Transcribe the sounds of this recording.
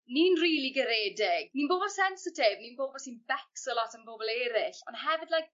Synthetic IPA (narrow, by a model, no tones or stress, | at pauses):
niːnriːlˠiɡəɾeːdɪɡ̥niːnboːbɔlˠsɛnsɪtʰɪvniːnboːbɔlˠsiːnbɛksɔlɔtʰənboːbɔlˠeːɾɪɬɔnɦɛvɨdlajk̚